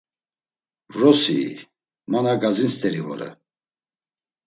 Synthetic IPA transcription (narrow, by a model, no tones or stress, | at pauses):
rɔsi | manaɡazinst̪ʰʼɛɾivɔ̰ɾə̰